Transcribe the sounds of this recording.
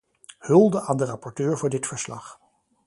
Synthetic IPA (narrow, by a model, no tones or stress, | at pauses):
hɵlˠdəʔaːndərɑpɔɹtøːɹvʊːɹdɪtfəɹslɑ̰χ